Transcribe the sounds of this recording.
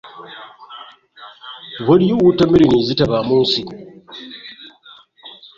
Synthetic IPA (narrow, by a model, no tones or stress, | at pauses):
βaɾjowutamiɾinizitaβamuːnsi